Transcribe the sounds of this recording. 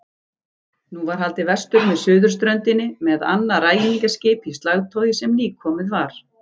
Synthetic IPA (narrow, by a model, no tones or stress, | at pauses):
nuvaɾ̥ɦalt̪ɪvɛ̥st̪ʏɾmɛðsʏːðʏɾ̥st̪ɾœnt̪ɪnːɪmɛða̰nːaraːjɪniŋkascɪːpist̪laɣt̪ʰoːwjɪsɛmliːkʰːɔːmɪðvaɾ̥